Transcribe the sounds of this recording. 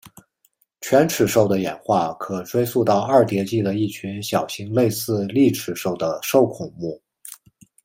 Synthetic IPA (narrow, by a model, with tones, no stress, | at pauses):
t͡ɕʰɥɛ˧˥nʈ͡ʂʰɻ̩˨˩ʂo˥˩ʊd̪ə˩jɛ̰˨˩nxwa˥˩kʰɤ˨˩ʈ͡ʂwe˥ɪsu˥˧t̪ɑ˥˧ʊɐ˞˥˩t̪jɛ˧˥t͡ɕi˥˩d̪ə˩i˥˩t͡ɕʰy˧˥nɕjɑ˨˩ʊɕi˧˥ŋle˥˧ɪsɹ̩˥˧li˥˩ʈ͡ʂʰɻ̩˨˩ʂo˥˩ʊd̪ə˩ʂo˥˩ʊkʰʊ˨˩ŋmu˥˩